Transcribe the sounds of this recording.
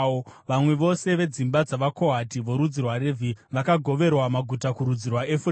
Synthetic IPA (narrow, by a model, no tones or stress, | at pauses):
ʋamwe̞ʋo̞se̞ʋe̞d͡zimbad͡zaʋako̞ɦatiʋo̞ɾud͡zirwaɾeviʋakaɡʱo̞ʋe̞rwamaɡʱutakuɾud͡zirwaefu